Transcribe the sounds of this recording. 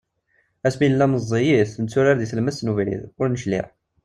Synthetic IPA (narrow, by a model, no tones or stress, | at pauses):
æsminəlːæməzˤːijiθnət͡sːʊɾaɾðiθəlmæsnuvlḭðʊɾnəʃlḭʁ